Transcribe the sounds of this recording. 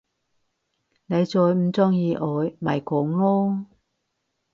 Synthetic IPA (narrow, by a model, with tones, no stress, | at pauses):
ne˨˧jt͡sɔː˧jm̩˨˧t͡sɔː˥ŋjiː˨˧ʔɔː˨˧jmɐ̰˨jkɔː˨˦ŋlɔː˥